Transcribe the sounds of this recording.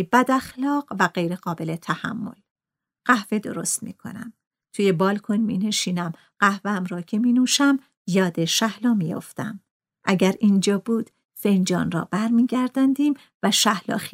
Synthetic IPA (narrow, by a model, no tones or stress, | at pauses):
b̥æd̪æxlɒːɢvæɢe̞jɾeɣɒːbe̞le̞t̪ʰæhæ̰mːo̞̰l | ɢ̥æhve̞d̪o̞̰ɾo̞st̪mḭːkʰo̞̰næ̰m | t̪ʰuːjebɒːlkʰonmḭːne̞ʃiːnæm | ɢ̥æhveæmɾɒːcʰe̞miːnuːʃæm | jɒːd̪eʃæhlɒːmijo̰ft̪æ̰m | ʔæɟæɾind͡ʒɒːbuːd̪̥ | fe̞nd͡ʒɒ̰ːnrɒ̰ːbæɾmiːɟæɾd̪ɒːnd̪iːm | væʃæhlɒ̰ːxi